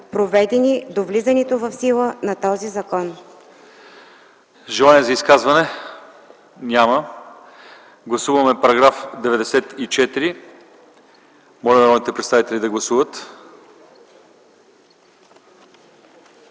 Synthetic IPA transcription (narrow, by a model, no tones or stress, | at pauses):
pɾovɛd̪ɛnid̪ovlizɐnɛt̪ovɐfsilˠənɐt̪ɔzizɐkɔn | ʒɛlˠaniɛzɐiskazvɐnɛ | nʲamə | ɡlˠɐsuvɐmɛpɐɾɐɡɾafd̪ɛvɛd̪ɛsɛt̪it͡ʃɛt̪iɾi | mɔlɛnɐɾɔd̪nit̪ɛpɾɛt̪avit̪ɛlʲid̪ɐɡlˠɐsuvət̪